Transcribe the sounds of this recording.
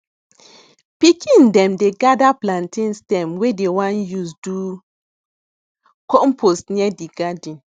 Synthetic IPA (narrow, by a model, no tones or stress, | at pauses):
pikʰĩndɛ̃mdeɡadaplãntĩnstɛ̃mwedewãnjusdu | kɔmpʰosniɛdiɡadĩn